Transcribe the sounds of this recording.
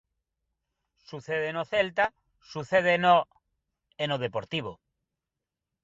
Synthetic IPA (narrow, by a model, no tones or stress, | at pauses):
suθeðenoθelt̪a | suθeð̞eno | enoð̞epoɾt̪iβ̞o